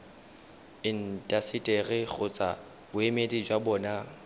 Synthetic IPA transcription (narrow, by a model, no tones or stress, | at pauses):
ɪn̩tʼasɪtʼeɣɪɣʊt͡sʼa | bʊemedid͡ʒwabɔːna